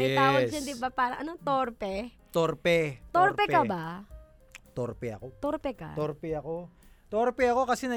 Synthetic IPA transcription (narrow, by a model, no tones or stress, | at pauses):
ɛd͡ʒɐnd̪ibapaːɾɐʔɐnot̪oɾpɛ | t̪oɾpɛt̪orpɛkaba | t̪oɾpɛɐ̰kot̪oɾpɛka̰oɾpɛɐko | t̪oɾpɛɐkokɐsɛnɐ